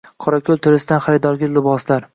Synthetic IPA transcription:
qʰɒɾakʲʰɵlˠt̪ʰɪɾɪsɪd̪anχaɾɪd̪ɒɾɡʲɪlɪbɒslaɾ

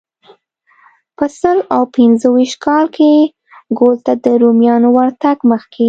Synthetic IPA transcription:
pəsəlawpɪnzəwiʃt̪kʰɑlkʰe | ɡolt̪ad̪əɾomjɑnowaɾt̪aɡməxkʰe

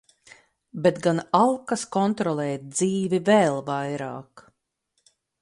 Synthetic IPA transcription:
bet̪ɡanalˠkaskɔnt̪ɾɔlˠɛːt̪̚d̪ziːvivɛːlˠvajɾa̰ːk

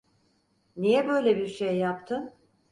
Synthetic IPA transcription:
nijɛbø̞jlʲebiɾʃejːap̚t̪ʰɯn

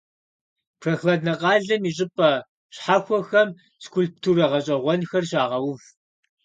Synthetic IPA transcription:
pʰrɐxlɐdnɐqɑːɮɐmiːɕ̬ʼɪpʼɐ | ɕħaxʷɔxɐm | skʰulp̚tʰurɐʁɐɕʼɐʁʷɔnxɐrɕaːʁɐwʊf

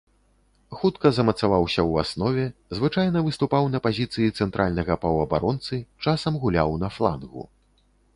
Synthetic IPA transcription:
xut̪kɐzɐmɐt̪savawsʲɐwasnɔvʲɛzvɨt͡ʂajnɐvɨst̪upawnɐpazʲit̪sɨjit̪sɛnt̪ɾʔalʲnɐɣɐpɐwɐbaɾɔnt̪sɨt͡ʂasɐmɣulʲawnɐflˠa̰nɣṵ

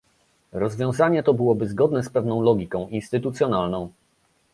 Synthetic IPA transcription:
ɾɔzvʲjɔ̃w̃zaɲɛt̪ɔbɘwɔbɘzɡɔd̪nɛspɛvnɔ̃w̃lɔɡʲikɔ̃w̃ʔinst̪ɘt̪ut̪sʲjɔnalnɔ̃w̃

